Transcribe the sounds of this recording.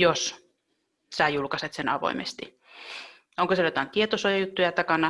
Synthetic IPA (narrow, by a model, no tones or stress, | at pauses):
jos | sæˑjulkɑset̪senɑ̰ʋo̰imʔḛst̪i | oŋkoselot̪ɑnt̪iet̪osojɑjut̪ːujɑt̪ɑkɑnɑ